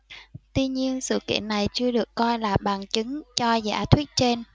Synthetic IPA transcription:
t̪wi˧ɲi˧ənsɨ̰˧˨kḭ˧˨ənːa˨˩jt͡ɕɨ˧əɗɨ˨˩əkːɔ˧jlaː˨˩ɓaː˨˩ŋt͡ɕɨ˨˦ŋt͡ɕɔ˧za̰ː˧˥t̪ʰwi˦˥t̚t͡ɕe˧n

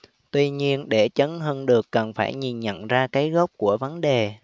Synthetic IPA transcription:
t̪wi˧ɲi˧ənɗe˧˩t͡ɕə˨˦nɦəː˧nɗɨ˨˩əkːə˨˩nfaː˧˩jɲi˨˩nɲə̰˧˨nzaː˧kaː˨˦jɣə˦˥wk͡p̚ku˧˩əvə˨˦nɗe˨˩

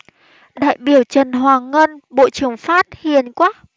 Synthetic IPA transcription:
ɗa̰ː˧˨jɓi˧˩əwt͡ɕə˨˩nɦwaː˨˩ŋə˧nɓo̰˧˨t͡ɕɨ˨˩əŋfaː˦˥t̚hi˨˩ənkwaː˦˥

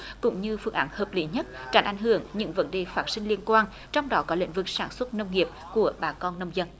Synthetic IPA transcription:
kʊ̰˧˥ŋ͡mɲɨ˧fɨ˧˩əŋʔaː˨˦nhəː˨˩p̚li˨˦ɲə˦˥t̚t͡ɕa˨˩ŋ̟ʔa̰˨˩jŋ̟ɦɨ˧˩əŋɲɨ̰˧˥ŋvə̰˨˦nɗe˨˩faː˦˥t̚si˧ŋ̟li˧ənkwaː˧n | t͡ɕɔ˧wŋ͡mɗɔ˨˦kɔ˨˦lḭ˧˥ŋ̟vɨ˨˩k̚saː˧˩nswə˦˥t̚nə˧wŋ͡mŋi˨˩əp̚ku˧˩əɓaː˨˩kɔ˧nːə˧wŋ͡mzə˧n

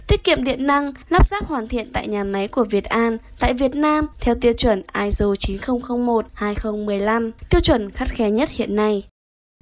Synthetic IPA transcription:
t̪i˦˥ək̚kḭ˧˨əmɗḭ˧˨ənna˧ŋlaː˦˥p̚zaː˦˥p̚hwaː˧˩nt̪ʰḭ˧˨ənt̪a̰ː˧˨jɲaː˨˩ma˨˦jku˧˩əvi˨˩ət̚ʔaː˧nt̪a̰ː˧˨jvi˨˩ət̚naː˧mt̪ʰɛ˧wt̪i˧əwt͡ɕwə˧˩nʔaː˧jzu˨˩t͡ɕi˨˦nxə˧wŋ͡mxə˧wŋ͡mmo˨˩t̚haː˧jxə˧wŋ͡mmɨ˨˩əjla˧mt̪i˧əwt͡ɕwə˧˩nxa˦˥t̚xɛ˨˦ɲə˦˥t̚hḭ˧˨ənːa˧j

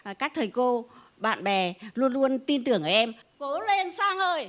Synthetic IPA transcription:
kaː˦˥k̚t̪ʰəː˨˩jko˧ | ɓa̰ː˧˨nɓɛ˨˩lu˧ənlu˧ənt̪i˧nt̪ɨ˨˩əŋʔəː˧˩ʔɛ˧mko˨˦le˧nsaː˧ŋʔəː˧j

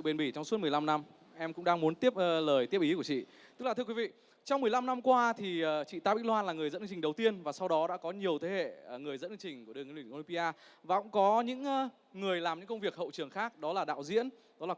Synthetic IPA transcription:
ɨ̰˧˨ɓe˨˧˩nɓi˧˩t͡ɕɔ˧wŋ͡msu˦˥t̚ɨ˨˩ə˩jla˧mna˧m | ʔɛ˧mkʊ̰˧˥ŋ͡mɗaː˧ŋmu˨˦nt̪i˦˥əp̚ːləː˨˩jt̪i˦˥əp̚ʔi˨˦ku˧˩t͡ɕḭ˧˨t̪ɨ˥klaː˨˩ɨ˧kwi˨˦vḭ˧˨ | t͡ɕɔ˧wŋ͡mmɨ˨˩əjla˧mna˧mkwaː˧t̪ʰi˨˩əː˨˩t͡ɕḭ˧˨t̪aː˧ɓḭ˧˥lwaː˧nlaː˨˩ŋɨ˨˩əjzə̰˧˥nʔŋt͡ɕi̟˨˩ɗə˨˩wt̪i˧ənvaː˨˩sa˧wɗɔ˨˦ɗa̰ː˧˥kɔ˨˦ɲi˨˩əwt̪ʰe˨˦hḛ˧˨˩ŋɨ˨˩əjzə̰˧˥nɨ˧ŋt͡ɕï˨˩ŋ̟ku˨˧˩əɨ˨˩ŋ˨˧lwʔo˧i˧mpi˧ʔaː˧vaː˨˩kʊ̰˧˥ŋ͡mkɔ˨˦ɲɨ̰˧˥ŋː˨˧ | ŋɨ˨˩əjlaː˨˩mɲɨ̰˧˥ŋkə˧ŋ͡mvi˨˩ək̚hə̰˧˨wt͡ɕɨ˨˩əŋxaː˦˥k̚ɗɔ˨˦laː˨˩ɗa̰ː˧˨wzḭ˧˥ən | ɗɔ˨˦laː˨˩

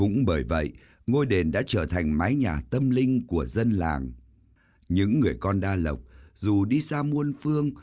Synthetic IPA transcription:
kʊ̰˧˥ŋ͡mɓəː˧˩jvə̰˧˨jʔ | ŋo˧jɗe˨˩nɗa̰ː˧˥t͡ɕəː˧˩t̪ʰa˨˩jŋ̟maː˨˦jɲaː˨˩t̪ə˧mlï˧ŋ̟ku˧˩əzə˧nla̰ː˨˩ŋ | ɲɨ̰˧˥ŋːɨ˨˩əjkɔ˧nɗaː˧lə˨˩wk͡p̚zu˨˩ɗi˧saː˧mu˧ənfɨ˧əŋ

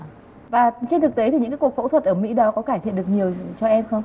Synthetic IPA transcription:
vaː˨˩t͡ɕe˧nt̪ʰɨ˨˩k̚t̪e˨˦t̪i˨˩ɲɨ̰˧˥ŋ˧˥ku˨˩kfo̰˧˥t̪ʰwə˨˩t̚ʔəː˧˩mḭ˧˥ɗɔ˨˦kɔ˨˦kaː˧˩t̪ḭ˧˨nɗɨ˨˩ək̚ɲi˨˩əwt͡ɕɔ˧ʔɛ˧mxə˧wŋ͡m

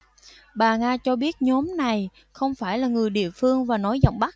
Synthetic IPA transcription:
ɓaː˨˩ŋaː˧t͡ɕɔ˧ɓi˦˥ət̚ɲɔ˨˦mna˨˩j | xə˧wŋ͡mfaː˧˩jlaː˨˩ŋɨ˨˩əjɗḭ˧˨əfɨ˧əŋvaː˨˩nɔ˨˦jzɔ̰˧˨wŋ͡mɓa˦˥

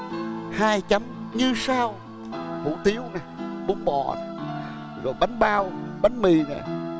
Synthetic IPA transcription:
haː˧jt͡ɕə˨˦mɲɨ˧saː˧w | hṵ˧˩t̪i˨˦əwnaː˨˩ɓu˨˦ŋ͡mɓɔ̰˧˩˨ | ɣɔ̰˨˩jɓa˨˦jŋ̟ɓaː˧wɓa˨˦jŋ̟mi˨na̰ː˨˩

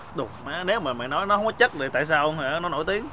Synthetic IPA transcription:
ɗʊ˨˩ŋ͡mʔaː˨˦ne˨˦wmaː˨˩ma̰ː˧˨nɔ˨˦jnɔ˨˦ɦɔ˨˦t͡ɕə˦˥t̚zoː˨˩t̪a̰ː˧˨jsaː˧wa˧˩nɔ˨˦no̰˧˥jt̪i˨˦əŋ

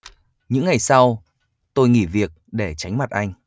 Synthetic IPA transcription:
ɲɨ̰˧˥ŋːa˨˩jsa˧w | t̪o˧jŋḭ˧˩vi˨˩ək̚ɗe˧˩t͡ɕa˨˦ŋ̟ma˨˩t̚ʔa˧jŋ̟

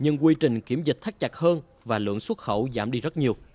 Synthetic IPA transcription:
ɲɨ˧ŋkwi˧t͡ɕï˨˩ŋ̟ki˧˩əmzi˨˩k̟̚t̪ʰa˦˥k̚t͡ɕa˨˩k̚həː˧n | vaː˨˩lɨ̰˧˨əŋswə˦˥t̚xə̰˧˩wzaː˧˩mɗi˧zə˦˥t̚ɲi˨˩əw

